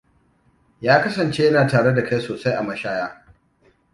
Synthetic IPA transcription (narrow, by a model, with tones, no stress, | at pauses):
jaː˦kɐ˦sɐ˨nt͡ʃe˦jɐ˦naː˨taː˨ɽe˦da˨ka˦jsoː˨sa˦jʔa˨mɐ˦ʃaː˦jaː˦